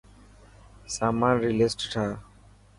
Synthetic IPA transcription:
saːmãːnɾiːlesʈʈʰaː

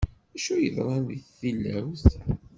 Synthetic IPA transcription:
æʃujəðɾˤɑnðiθθilːæwθ

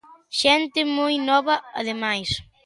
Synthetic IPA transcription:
ʃent̪ɪmujnɔβɐɐ̰ðemajs

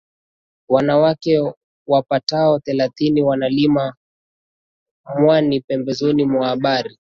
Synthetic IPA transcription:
wanawakɛ | wapataɔθɛlaθiniwanalima | mwanipɛmbɛzɔnimwahːɓaɾi

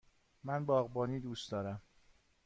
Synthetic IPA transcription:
mænbɒːɣbɒːniːd̪uːst̪d̪ɒːɾæm

